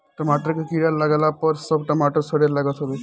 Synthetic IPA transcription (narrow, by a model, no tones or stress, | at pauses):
ʈəmaʈəɾkekiɽaləɡlapəɾsəbʈəmaʈəɾsəɽelaɡət̪ɦobe